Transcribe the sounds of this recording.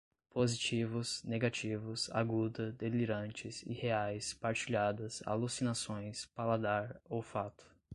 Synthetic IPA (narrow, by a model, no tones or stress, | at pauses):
pozit͡ʃivʊsneɡat͡ʃivʊsa̰ɡud̪ɐd̪eliɾɐ̃nt͡ʃɪzḭheajspaɾt͡ʃiʎad̪ɐsa̰lusinasõj̃spalad̪aɾowfat̪ʊ̥